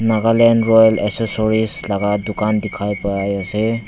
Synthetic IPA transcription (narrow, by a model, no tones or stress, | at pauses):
naɡalenɾɔjleksesɔɾislaɡadukandikʰajpajajase